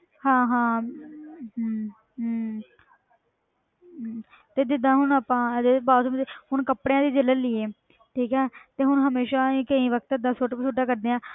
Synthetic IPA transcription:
hãːɦãː | t̪eːd̪ɪd̪ãːɦʊnaːpãːd̪ebaːsmd̪ehʊɳkəpɽeãːd̪iːd͡ʒələnlɪeː | ʈʰiːkɦɛːt̪eːɦʊnɦəmeːʃaːiːkəĩːʋək̚ʰt̪ɪd̪ãːsoʈt͡ʃʰʊʈaːkəɾd̪eːãː

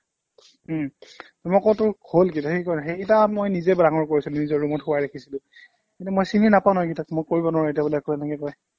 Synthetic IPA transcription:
ɔmɔkɔwtʊɹholkitaxikɔjnxekitamojnizɛbɹaŋɔɹkoɹisilʊ̃nizɔɹɹumɔtxʊwajɹekʰisilʊ̃ | kintumojsininapaw̃nɔkitakmojkoɹibɔnɔɹetiabulɛakɔɛnɛkɛkɔj

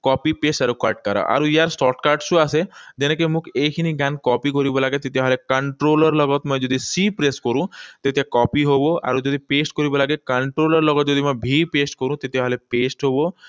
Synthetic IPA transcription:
kɔpipesʈaɾuka̰ɾʈkaɾa̰ʔa̰ɾujaɾsʈɔʈkaɾɖsuased͡ʒenekemũkekʰiniɡankɔpikoɾibɔlaɡet̪et̪iaɦɔlekəɳʈɾolɔɾlɔɡɔt̪mɔed͡ʒod̪ʱisipɾeskoɾũt̪et̪iakɔpiɦoboa̰ɾod͡ʒod̪ʱipesʈkoɾibɔlaɡekəɳʈɾolɔɾlɔɡɔt̪d͡ʒod̪ʱimɔebʱipesʈkoɾũt̪et̪iaɦɔlepesʈɦobo

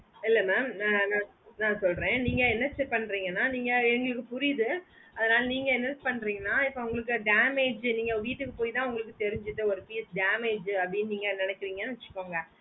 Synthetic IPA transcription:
ɪlːɛmeːmːnãː | nãːsɔlɾẽːniːŋɡɐɛnɐɾspɐɳːɾiːŋɡɐnːaːniːŋɡɐɛŋɡɐɭɯkːɯpʊɾɪjðɯ | ɐðɐnaːlɐniːŋɡɐɛnɐɾspɐɳːɾiːŋɡɐnːaːɪpːɐʊŋɡɐɭɯk̬ːɯɖaːmeːd͡ʒniːŋɡɐʋiːʈːɯkːɯpoːjt̪ãːɐʊŋɡɐɭɯk̬ːɯt̪ɛɾɪɲd͡ʒɯt̪ːɯɔɾɯpiːsɖaːmeːd͡ʒɐpɽɪnːniːŋɡɐnɪnɛkːɪɾiːŋɡɐnːɯʋɛt͡ʃːɯ̥kːoːŋɡɐ

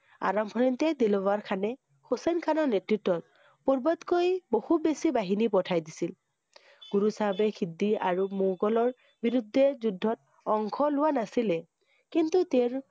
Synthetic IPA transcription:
a̰ɹɔmpʰɔɹintɛd̪ilɔbaɹkʰanɛ | xʰosɛnkʰanɔɹnetɹitːɔt̚ | pɔɹbɔtkojbohut̚besibaɦinipɔtʰajdisil | ɡ̥uɹusaɦbɛkʰidːiaɹumuɡɔlɔɹ | biɹud̪ʱːɛzudʱːɔt̚ | ɔŋkʰɔlʊwanasilɛ | kintut̪eɹ

